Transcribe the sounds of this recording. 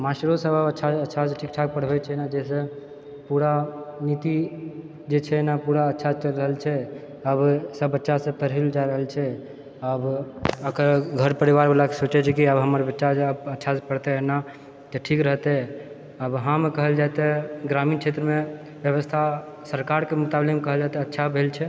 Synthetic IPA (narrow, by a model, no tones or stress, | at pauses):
masɾosəbəbətːʃʰaətːʃʰaseʈʰik̚ʈʰak̚pəɽ̤bɛt͡ʃʰɛnad͡ʒɛsẽ | puɾanit̪i | d͡ʒet͡ʃʰɛnapuɾaətːʃʰat͡ʃəɾəɦəlt͡ʃʰɛ | əbsəbːətːʃasə̃p̪əɾɦild͡ʒaiɾəɦəlt͡ʃʰɛ | əbəkəɾɡʱəɾpəɾiʋaɾbelakesot͡ʃɛt͡ʃʰɛkiəbɦəməɾbətːʃad͡ʒəbətːʃʰaspəɽt̪ɛena | t̪ɔʈʰikɾəɦt̪ɛ | əbɦãmekəɦəld͡ʒat̪eɡɾamint͡ʃʰet̪ɾəme | bjəβəst̪ʰa | səɾkaɾkemut̪ablemkəɦəld͡ʒat̪eətːʃʰabʱelt͡ʃʰɛ